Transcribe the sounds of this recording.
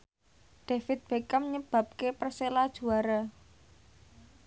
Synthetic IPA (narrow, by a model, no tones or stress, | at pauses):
ɖ̥a̤fɪt̪̚b̥ekəmɲəb̥a̤p̚kepərselad̥ʒ̥ṳaɾa